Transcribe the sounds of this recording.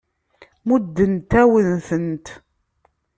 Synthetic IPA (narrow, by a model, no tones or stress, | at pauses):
mud̪ːənt̪æwənθənt̪